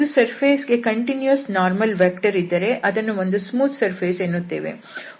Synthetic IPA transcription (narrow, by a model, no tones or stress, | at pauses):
sɐɾpʰeːsɡe̞kɐɳʈinjuɐsnaːɾmɐlʋeːkʈɐɾid̪ːɐɾe̞ʔɐd̪ɐnːuo̞nd̪usmuːt̪ʰsɐɾpʰeːseːnːut̪ːeːʋḛ